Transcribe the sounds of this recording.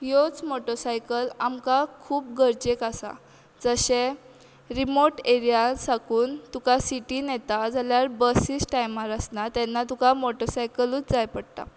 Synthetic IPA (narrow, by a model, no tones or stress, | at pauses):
jot͡smoʈɔsajkəlamkakʰuːp̚ɡəɾd͡ʑekasa̰ | d͡zəɕẽ | ɾimoɾʈeɾijasakuːnt̪ukasiʈinɛt̪ad͡zaljaɾbəsisʈajmaɾəsnat̪ɛnːat̪ukamoʈəsajkəluːt͡sd͡zajpəɽt̪a̰